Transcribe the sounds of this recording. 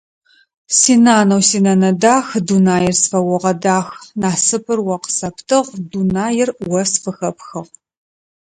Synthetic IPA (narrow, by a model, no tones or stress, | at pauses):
siːnaːnɐwsiːnɐnɐdaːxdunaːjɪrsfɐwɔʁɐdaːxnaːsɨpʰʼɨrwɐqə̥sɐptʰɨʁdunaːjɪrwɐsfɨxɐpxɐʁ